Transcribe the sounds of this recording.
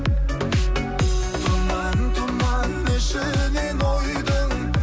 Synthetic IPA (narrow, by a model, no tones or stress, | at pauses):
t̪ʰʊmmɑnəɴt̪ʰʊmɑnənɪʃɪnenojd̪əŋ